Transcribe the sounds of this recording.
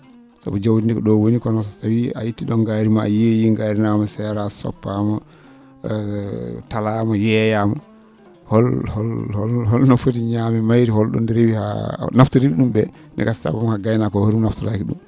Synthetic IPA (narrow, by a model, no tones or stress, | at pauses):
sa̰bɔd͡ʒawdindɛkɔɗɔwonikɔnɔs̬ɔtawia̰jitːiɗɔŋɡaːɾima̰ːjejiŋɡaːɾinamɔsɛɾasɔ̰pːamɔ | talaːmɔjɛːjamɔ̰ | hɔlhɔlhɔlhɔlnɔfotiɲamɛmajɾihɔlɗɔ̰ndiɾebiha̰naftuɾebiɗumbɛ | ndɛ̰kasta̰bɔmahaɡajnakɔhoɾumnaftuɾakiɗṵm